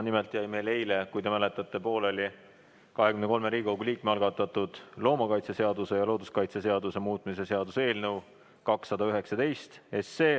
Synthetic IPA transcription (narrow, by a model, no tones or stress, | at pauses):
nimelt̪ːˑjɑjmele̞jlekujd̪e̞mæle̞t̪ːˑɑt̪ːˑe̞po̞ːlolʲi | kɑɦe̞kymneko̞lmeɾiːɡoɡulʲiːk̚meɑlɡ̥ɑt̪ːˑɑt̪ˑud̪̥lo̞ːmɑkɑjt̪sese̞ɑd̪use̞jɑlo̞ːd̪uskɑjt̪seseɑd̪use̞muːt̪ˑmise̞se̞ɑd̪̥use̞ːlnɤw | kɑksːɑd̪ɑyɦe̞ksɑt̪e̞jst̪e̞sːeː